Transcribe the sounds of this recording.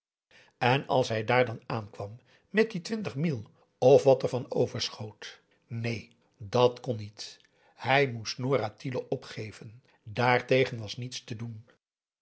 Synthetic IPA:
ɛnɑ̰lˠsɦɛjdaːɹdɑnaːnkʋɑmː | ɛt̚ditʋɪntəχmilˠ | ɔfʋɑtəɹvɑnowvəɹsχowt | nej | dɑtkɔnːit | hɛjmustnoːɾatiləʔɔpχejvən | daːɹtejχənʋɑsnitstədun

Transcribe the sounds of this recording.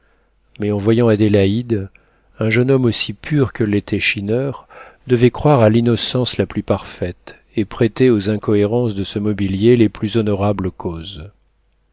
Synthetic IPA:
mɛɑ̃vwajɑ̃ad̪elaid̪ | ɛ̃ʒənɔmosipʰyʁkəlet̪ʰɛʃinœʁd̪əvɛkχwaʁalinɔsɑ̃slaplypaʁfɛt̪ | epχet̪eozɛ̃kɔeʁɑ̃sd̪əsəmɔbiljeleplyzɔnɔʁabləkʰoz

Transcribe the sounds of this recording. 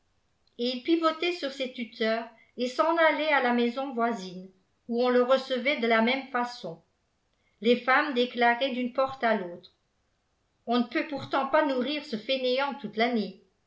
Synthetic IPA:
eilpivot̪esyʁsɛt̪yt̪ʰœːʁ | esɑ̃nalealamɛzɔ̃vwazin | uɔ̃ləʁəsəvɛd̪əlamɛmfasɔ̃ | lefamd̪eklaʁɛd̪ynpɔʁt̪aloːt̪χ | ɔ̃nəpøpuʁt̪ɑ̃panuʁiːʁsəfeneɑ̃t̪ut̪lane

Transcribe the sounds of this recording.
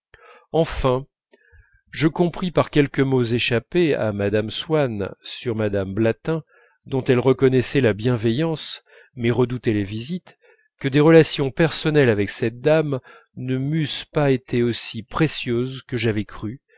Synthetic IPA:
ɑ̃fɛ̃ | ʒəkɔ̃pχipaʁkʲɛlkəmozeʃapea̰mad̪amswansyʁmad̪amblat̪ɛ̃ | d̪ɔ̃t̪ɛlʁəkɔnɛsɛlabjɛ̃vɛjɑ̃s | mɛʁəd̪ut̪elevizit̪ | kəd̪eʁəlasjɔ̃pɛʁsɔnɛlavɛksɛt̪̚d̪am | nəmyspaet̪ʰeosipχesjøzkəʒavɛkχy

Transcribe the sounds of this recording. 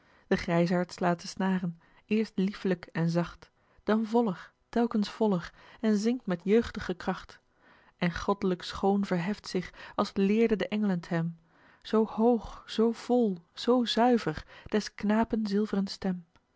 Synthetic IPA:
d̥əχrɛjsɑɹtslaːtəsnaːrən | ɪːɹstlifləkɛnzɑχt | d̥ɑnvɔləɹ | tɛlˠkənsfɔləɹɛnzɪŋk̚tmɛtjøɥχtəχəkrɑχt | ʔɛnχɔdələksχownvəɹɦɛftsɪχɑlˠslɪːɹdədəʔɛŋələntɦɛm | z̥owhowχz̥owv̥ɔlˠz̥owzœɥvəɹd̥ɛsknaːpənzɪlˠvərənstɛm

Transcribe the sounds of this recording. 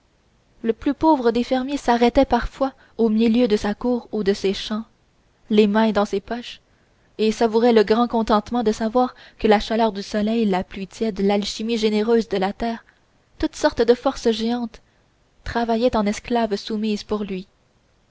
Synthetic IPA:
ləplypoːvʁəd̪efɛʁmjesaʁɛt̪ɛpaʁfwa | omiljød̪əsakuːʁud̪əseʃɑ̃ | lemɛ̃d̪ɑ̃sepɔʃ | esavuʁɛləɡʁɑ̃kɔ̃t̪ɑ̃t̪mɑ̃d̪əsavwaːʁkəlaʃalœʁd̪ysɔlɛjlaplɥit̪jɛd̪əlalʃimiʒeneʁøːzd̪əlat̪ɛːʁ | t̪ut̪sɔʁt̪d̪əfɔʁsʒeɑ̃t̪ː | χavajɛt̪ɑ̃nɛsklavsumiːzpuʁlɥi

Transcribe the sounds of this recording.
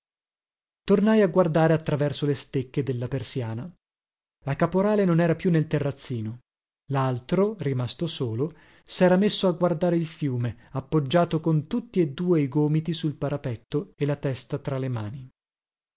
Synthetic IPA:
t̪ornajaɡward̪aːɾeat̪ːɾavɛrsolest̪ekːed̪elːapersjaːna | lakapoɾaːlenonɛːɾapjunːelt̪erːat̪sːiːno | lalt̪ɾorimast̪osoːlo | sɛːɾamesːoaɡward̪aːɾeilfjuːme | apːod͡ʒːaːt̪okont̪ut̪ːied̪ːuːeiɡoːmit̪isulpaɾapɛt̪ːoelat̪ɛst̪at̪ɾalemaːni

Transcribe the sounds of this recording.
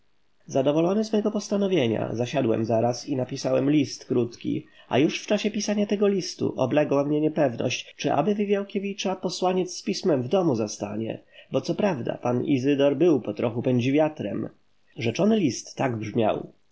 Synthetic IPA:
zad̪ɔvɔlɔnɘzmɛɡɔpɔst̪anɔvʲjeɲa̰zaɕad̪wɛ̰mzaɾasinapʲisawɛmlʲist̪kɾut̪kʲḭ | a̰juʂft͡ʂaɕɛpʲisaɲat̪ɛɡɔlʲist̪ṵʔɔ̰blɛɡwamɲɛɲɛpɛvnɔ̰ɕt͡ɕt͡ʂɘʔa̰bɘvɘvʲjawkʲevʲit͡ʂapɔswaɲɛt̪sspʲismɛmvd̪ɔmuzast̪a̰ɲɛ̰bɔt̪sɔpɾavd̪a̰panḭzɘd̪ɔɾbɘwpɔt̪ɾɔxupɛɲd͡ʑivʲjat̪ɾɛ̰m | ʐɛt͡ʂɔnɘlʲist̪ːaɡbʐmʲja̰w

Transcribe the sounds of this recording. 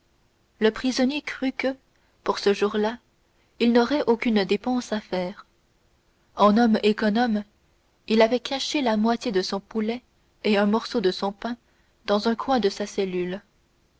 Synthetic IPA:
ləpχizɔnjekχykə | puʁsəʒuʁla | ilnɔʁɛʔokʲynd̪epɑ̃safɛːʁ | ɑ̃nɔmekɔnɔm | ilavɛkaʃelamwat̪ʲjed̪əsɔ̃pulɛ | eɛ̃mɔʁsod̪əsɔ̃pɛ̃ | d̪ɑ̃zɛ̃kwɛ̃d̪əsasɛlyl

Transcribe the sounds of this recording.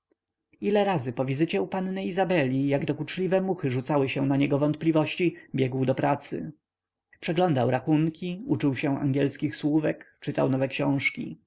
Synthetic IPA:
ilɛɾazɘpɔvʲizɘt͡ɕɛupannɘizabɛlʲijaɡd̪ɔkut͡ʂlʲivɛmuxɘʐut̪sawɘɕɛ̃naɲɛɡɔvɔnt̪̚plʲivɔɕt͡ɕibʲjɛɡwd̪ɔpɾat̪sɘ̰ | pʂɛɡlɔnd̪awɾaxuŋkʲiut͡ʂuwɕɛ̃a̰ŋɡʲjɛlskʲixswuvɛkt͡ʂɘt̪awnɔvɛkɕɔ̃w̃ʂkʲḭ

